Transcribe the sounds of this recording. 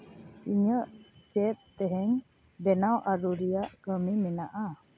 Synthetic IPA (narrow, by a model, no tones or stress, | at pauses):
iɲəʔt͡ʃɛt̪̚t̪ɛɦɛŋ | bɛnawʔaɾuɾijaʔkəmimɛnaʔa